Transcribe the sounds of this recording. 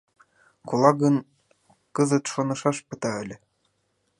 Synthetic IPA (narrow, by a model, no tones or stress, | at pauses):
kulˠɑɣə̆n | kɤzɤ̆t̪ʃonɤ̆ʃɑʃpɤ̆t̪ɑɘ̆lʲɘ̆